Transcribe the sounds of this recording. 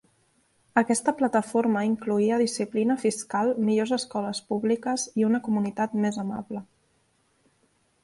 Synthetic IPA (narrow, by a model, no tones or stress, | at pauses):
əkɛst̪əplət̪əfoɾməiŋkluiəðisiplinəfiskalˠmiʎozəskɔləspuβlikəziunəkumunit̪at̪mezəma̰βlə